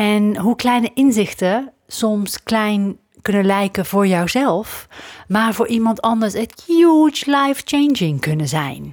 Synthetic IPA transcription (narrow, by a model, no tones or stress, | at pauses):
ɛnɦuklɛjnəʔɪnzɪxtə | sɔmsklɛjn | kɵnənlɛjkəvʊːɹjawzɛlˠfmaːɹvʊːɹʔimɑntɑndəɹsətjut͡ʃlajft͡ʃejnd͡ʒɪŋkɵnəzɛ̰jn